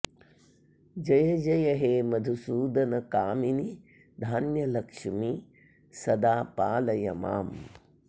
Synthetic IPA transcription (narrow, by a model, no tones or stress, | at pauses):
d͡ʒɐjɐd͡ʒɐjɐɦeːmɐd̪ʱusuːd̪ɐnɐkaːmini | d̪ʱaːnjɐlɐkʂmi | sɐd̪aːpaːlɐjɐ̰ma̰ːm